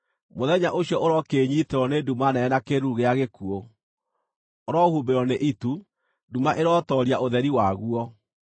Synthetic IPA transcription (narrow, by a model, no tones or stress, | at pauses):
moðɛɲaʔoɕjɔʔoɾɔkeːɲiteɾɔnedumanɛɛnakeɾuuɣeaɣekuo | oɾɔhumbeɾɔneʔitu | dumaʔeɾɔtɔɾiaʔoðɛɾiwaɣuɔ